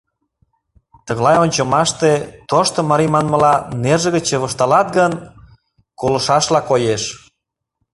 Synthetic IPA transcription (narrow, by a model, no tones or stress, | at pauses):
t̪ə̆ɣlɑjonʲt͡ɕə̆mɑʃt̪et̪oʃt̪ŏmɑɾimɑnmə̆lɑnerʒə̆ɣət͡ɕeβəʃt̪ɑlɑt̪ɡən | kolɤ̆ʃɑʃlɑkojeʃ